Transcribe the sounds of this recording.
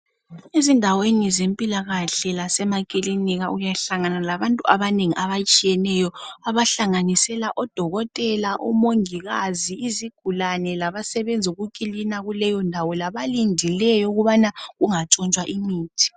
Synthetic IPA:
ezindʱawenizempʼilaɣaɬɛlasɛmakʼiliniɣaʔujaɬaŋanalaβantʼuʔaβaneŋiʔaβat͡ʃʼijɛnɛjɔaβaɬaŋanisɛlaʔɔd̥ʱɔɣɔtʼɛlaʔumoŋiɣaziiziɡ̥ʱulanɛlaβasɛβend͡zʱiuɣukʼilinaɣulɛjɔndʱawɔlaβalindʱilɛjɔuɣuβanaɣuŋat͡ʃʼɔnt͡ʃʼwaʔimiːtʰi̥

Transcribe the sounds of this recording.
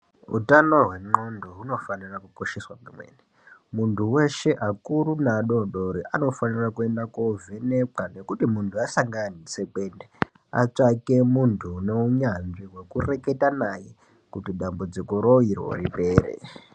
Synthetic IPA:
ṵtano̞ɦwe̞ŋ͡ǃo̞ndoɦuno̞fanirakuko̞ʃeswamimwḛne | muntʰuwe̞ʃe̞ʔakuɾunaɗo̞ɗoɾiʔano̞fanirakue̞ndakovene̞pane̞kutimuntʰuasaŋɡanisekende | a̰t͡ʂake̞muntʰune̞uɲanʐiɦwe̞kure̞ke̞tanaje | kutiɗambud͡zikoɾoirwo̰ripe̞ːɾḛ

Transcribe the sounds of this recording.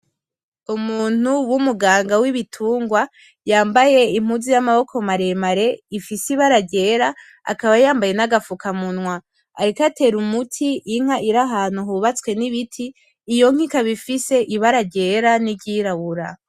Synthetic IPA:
umuːn̥uwumuɡaːŋɡawiβitʰuːŋɡwa | jaːmbaje̞im̥uzijamaβo̞kʰo̞maɾe̞maɾe̞ifisiβaɾaɟe̞ːɾa | a̰kaβajaːmbaje̞naɡafukamunŋwaː | ɾikate̞ɾumutʰiʔiŋ̥aʔiɾaɦaːn̥uɦuβat͡swe̞niβitʰiː | jo̞ŋ̥ikaβifise̞ʔiβaɾaɟe̞ɾanibɟiːɾaβuɾa̰

